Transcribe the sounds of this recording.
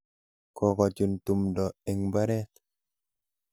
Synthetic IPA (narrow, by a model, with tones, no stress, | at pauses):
kɔ˨kɔ˨t͡ʃu˨ntu˨mdɔ˨e˨ŋba˦ɾɛ˦t